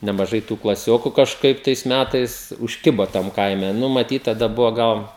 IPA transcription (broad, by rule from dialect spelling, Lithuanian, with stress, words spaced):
nʲɛmɐˈʒɐɪ tuː klˠɐˈsʲoːkʊ kɐʃˈkɐɪp tɐɪs ˈmʲætɐɪs ʊʃʲˈkʲɪbɐ tɐm ˈkɐɪmʲɛ ˈnʊ mɐˈtʲiːt tɐˈdɐ ˈbʊʋɐ ˈɡɐlˠ